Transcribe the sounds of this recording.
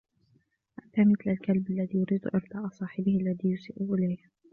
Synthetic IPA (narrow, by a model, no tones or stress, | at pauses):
ʔaʔt̪aːmɪθlalkalbalːaðiːjʊɾiːd̪ʔɪɾt̪ˤɑːʔɑsˤɑːħɪbɪhʔalːaðiːjʊsɪːʔuʔɪlajh